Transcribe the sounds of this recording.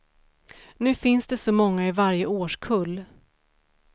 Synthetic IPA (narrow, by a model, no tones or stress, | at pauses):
nʉ̟ːfɪnsd̪ɛsɔmɔŋːaɪvaɾjəoːʂkʰɵlː